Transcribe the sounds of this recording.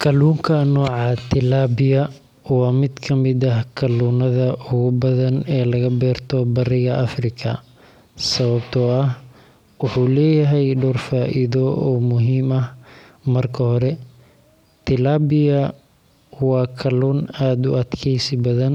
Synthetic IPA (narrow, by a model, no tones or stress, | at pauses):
kʰɐluːŋkʰɐnɔːʕɑt̪ʰɪlaːbɪjɐ | wɑːmɪd̪kʰɐmɪd̪ɐhkʰɐluːnɐðɐʔʊɣʊbɐðɐnɛːlɐɣɐbɛːrt̪ʰɔbɐrɪɣɐʔɐfrɪkʰɐ | sɐβɐbt̪ʰɔɐh | wʊħuːlɛːjɐɦɛjɖɔːrfaːʔɪðɔɔːmʊɦiːmɐh | mɐrkʰɐhɔɾɛ | t̪ʰɪlaːbɪjɐ | wɑːkʰɐluːnaːd̪ʊɐd̪kʰɛjsɪbɐðɐn